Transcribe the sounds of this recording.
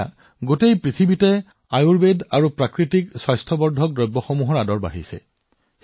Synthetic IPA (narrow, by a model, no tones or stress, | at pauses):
ɡotejpɹit̪ʰibitɛ | ajuɹbedaɹupɹakɹitikswajstʰɔbɔɹdʱɔk̚dɹɔjbːɔxɔmuɦɔɹadɔɹba̰ɦisɛ̰